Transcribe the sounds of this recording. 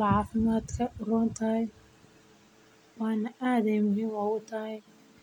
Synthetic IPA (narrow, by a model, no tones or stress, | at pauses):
lʕɑːfɪmaːd̪kʰɐrɔːnt̪ʰɐj | wɑːnɐʔaːd̪ɛjmʊɦiːmaːwʊt̪ʰɐj